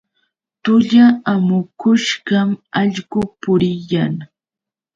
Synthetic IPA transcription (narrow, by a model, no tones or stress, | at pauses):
t̪ʊʎaamʊkʊʃɢɑmɑʎɢʊpʊɾɪjaŋ